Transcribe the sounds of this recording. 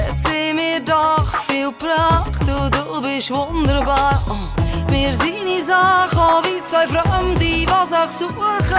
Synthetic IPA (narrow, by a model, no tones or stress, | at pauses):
t͡sɪmɪːɾdɔχfiːlˠpɾaχtuːduːbɪʃvʊndəɾbaɾ | mɪːɾziːnizaχɔviːt͡svaɪfɾandivasaχt͡suχ